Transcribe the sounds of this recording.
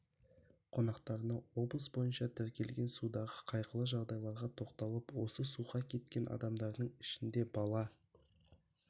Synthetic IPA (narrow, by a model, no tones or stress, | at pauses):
qʰo̞nɑqt̪ɑɾənɑwo̞blˠəsbojənʃɑt̪ʰʏɾkʲʰe̞lɡʲe̞nsud̪ɑʁəqʰɑjqəlˠəʒɑʁd̪ɑjlˠɑɾʁɑt̪ʰo̞qt̪ɑlˠəpwo̞səsuʁɑkʲʰe̞t̪̚kʲe̞nʔɑ̰d̪ɑmd̪ɑɾd̪əɴɪ̥ʃɪnd̪e̞bɑlˠɑ